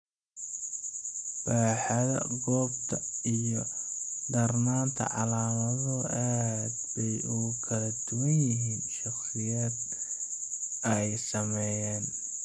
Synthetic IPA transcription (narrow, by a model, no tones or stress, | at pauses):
b̥aːħɑðɐ̰ɡɔːbt̪ʰɐijɔd̪ɐrnaːnt̪ʰɐ̰ʕɑlaːmɐðɔʔaːd̪bɛjukʰɐlɐd̪ʊwɐnjɪɦiːnʃɑχsɪjaːd̪ | ɐjsɐmɛjaːn